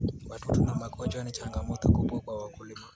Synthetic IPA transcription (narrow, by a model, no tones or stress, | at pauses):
watutunamakʰɔd͡ʒwanit͡ʃaŋɡamɔtɔkuɓwakwawakulima